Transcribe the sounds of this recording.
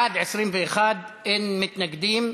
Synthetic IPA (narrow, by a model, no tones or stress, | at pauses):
aʕd̪ʕɪʃɾiːnbixaːd̪ʔɪnmɪt̪naɡd̪iːm